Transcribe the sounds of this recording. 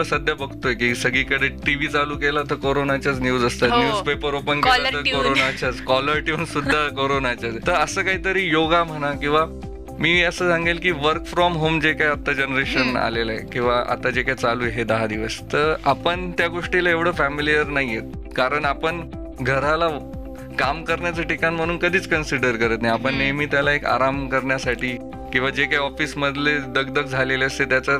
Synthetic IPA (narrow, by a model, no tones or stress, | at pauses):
əsəd̪ʱjabəɡt̪oekisəɡiːkəɽeʈiʋiːt͡saluːkelat̪əɾkoɾonat͡ɕjat͡snjuːd͡zəst̪at̪njuːd͡zpepəɾopəɳkelat̪əkoɾonat͡ɕat͡skɔləɾʈiunsud̪ʱːakoɾonat͡ɕat͡st̪əɾəsəːkaɦiːt̪əɾiːjoɡam̤əɽ̃akĩw̃ʋa | miːəsəːsãŋɡelkiːʋəɾkfɾɔmɦomd͡ʑekajat̪ːad͡ʑənɾeɕəna̰lelaekĩw̃ʋaʔa̰t̪ad͡ʑekajt͡saluːjɦed̪əɦad̪iʋəst̪əɾapəɳt̪jaɡoʂʈilaeʋɽ̤əfæmilijəɾnaɦijet̪̚ | kaɾəɳapəɳ | ɡʱəɾala | kamkəɾɳjat͡saʈikanim̤əɽ̃uːnkəd̪ʱiːt͡skənsiɽəɾkəɾət̪naɦiapəɳːaɦmiːt̪jalaeka̰ɾamkəɾɳjasaʈʰiː | kĩw̃ʋad͡ʑekajɔfiːsməd̪ʱled̪əɡ̚d̪əkd͡zʱaleleəst̪et̪jat͡sa